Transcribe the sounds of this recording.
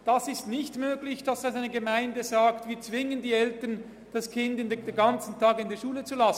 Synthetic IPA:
d̥asɪstnɪçtmøːɡlɪçd̥ɑsaaɪnəɡəmaɪndəzaːktviːɐt͡svɪŋəndiːɛltɐn | d̥askʰɪndɪndeɡɑnt͡sn̩tʰɑːɡɪndeːɐʃuːlət͡sulasn̩

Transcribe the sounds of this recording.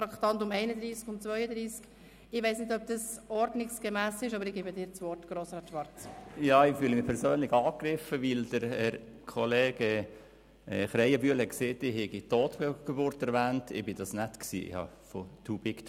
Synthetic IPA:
fɾɑkt̪ɑntʊmɛɪnədɾiːskʊnt͡sʋœʏəd̪ɾiːsk | ɪʋɛɪsnɪdœb̚d̥ɑsɔɾdnɪksɡ̥əmæːsɪʃɑbəɾɪɡ̥ebədɪːɾt͡sʋɔrtɡ̥ɾoːsɾɑːt̪ʃʋɑɾt͡sjɑːɪfyːləmɪpʰɛɾsøːnlɪχɑːkɾɪfəʋɪld̥əɾɛɾ | kʰɔleːɡ̥ə | ɛχɾɛjɑbyəlɛkseːtɪhɛɡit̪oːt̪beɡ̥ebʊɾtɛɾʋæːntɪ̰bɪd̥ɑsnɛtksḭːɪ̰hɑ̰fɔt̪ʰubɪkt

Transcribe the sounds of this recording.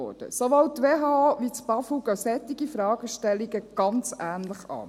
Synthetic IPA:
ɔ̰ːd̥ə̰soʋowttːʋeːɦɑʋit͡sb̥ɑfuɡœsɛt̪ːiɡifɾɑːɡ̥əʃtɛliɡəɡ̥ɑnt͡sæːnləχɑ̰ː

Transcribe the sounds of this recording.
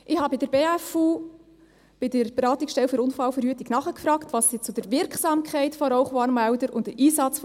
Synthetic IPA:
ʔɪhɑːbɪdəɾbeːæfuː | b̥ɪdəɾb̥eɾɑːtɪksʃtɛlfyɾʊnfɑlfəɾhyətiknɑχəkfɾɑːktʋɑssit͡sʊd̥əɾvɪɾksɑːmkʰχɛɪtfɔɾɔʊχwɑːnmæʊdəɾʊ̰ntdəɾʔiːsɑt͡sf

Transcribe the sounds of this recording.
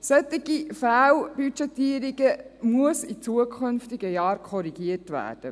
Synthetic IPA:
sœt̪ːiɡifæːlb̥yt͡ʃɛt̪iːəɾiɡəmuəsit͡suəkʰχʏnftɪɡəjɑːɾkʰɔɾiɡ̥iətʋæ̰ːɾd̥ə

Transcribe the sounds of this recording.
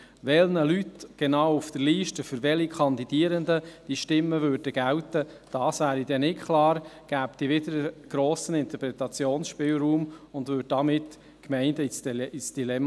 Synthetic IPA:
ʋɛlnəlytɡ̥ɛnɑːwufd̥̪əɾliːʃtəfʏɾʋɛlikʰɑnd̪idiːəɾəndəd̥iəʃtɪmːəvøːɾd̥əɡ̥æwtə | d̥ɑːsvæːɾidɛnɪkkʰlɑːɾɡ̥æːpd̥ivɪdəɾəɡ̥ɾoːsənɪnt̪əɾpɾɛt̪ɑt͡sjoːnsʃpɪːlɾuːmʊndvʏd̚dɑmɪt | kmɛɪndəsisd̥ilɛm

